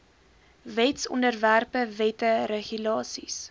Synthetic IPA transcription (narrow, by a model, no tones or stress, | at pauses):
vɛtsɔ̰ndərværpəvɛtəɾeχylɑːsḭs